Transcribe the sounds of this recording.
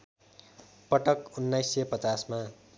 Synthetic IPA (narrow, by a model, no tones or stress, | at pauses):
pʌʈʌkunːajsːʌpʌt͡sasma